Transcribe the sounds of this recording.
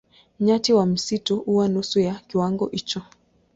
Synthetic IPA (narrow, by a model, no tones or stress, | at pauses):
ɲatiwam̩situuwanusujakiwaŋɡɔʔit͡ʃɔ